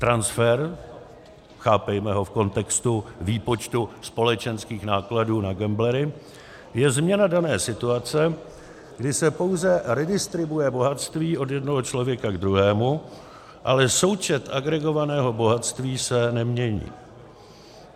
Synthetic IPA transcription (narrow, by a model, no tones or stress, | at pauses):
t̪ɾansfɛɾ | xaːpɛjmɛɦo̞fko̞nt̪ɛkst̪uviːpo̞t͡ʃt̪uspo̞lɛt͡ʃɛnskiːxnaːkladuːnaɡɛmblɛɾɪ | jɛzmɲɛnadanɛːsɪt̪uat͡sɛ | ɡdɪsɛpo̞wzɛɾɛdɪst̪ɾɪbujɛbo̞ɦat̪st̪viːʔo̞djɛdnoɦot͡ʃlo̞vjɛkaɡd̪ɾuɦɛːmu | ʔalɛso̞wt͡ʃɛt̪ʔaɡɾɛɡo̞vanɛːɦo̞bo̞ɦat̪st̪viːsɛnɛmɲɛɲḭː